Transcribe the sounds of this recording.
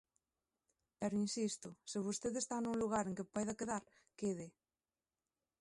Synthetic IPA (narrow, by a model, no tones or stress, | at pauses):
pɛɾinsist̪oseβ̞ust̪eðest̪anũŋluɣ̞aɾeŋkepajðakeðaɾ | keðɪ